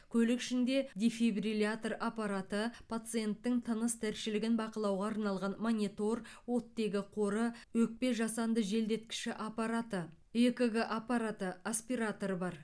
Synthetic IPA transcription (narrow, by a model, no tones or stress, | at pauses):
kʲʰɵlɪkʃɪnd̪e̞d̪ʲefebrilʲat̪rapaɾat̪əpʰat̪sɨje̞nt̪ːɪŋt̪ʰənəst̪ʰæɾʃɪlɪɡʲɪnbɑqəlˠɑwʁɑɑɾnɑlˠʁɑnmonʲit̪o̞rwo̞t̪ːe̞ɡʲɪqʰo̞ɾəwɵk̚pe̞ʒɑsɑnd̪əʒe̞ld̪e̞t̪kʲɪ̥ʃɪʔapaɾat̪ə | ekəɡəʔapaɾat̪əaspiɾat̪o̞ɾbɑɾ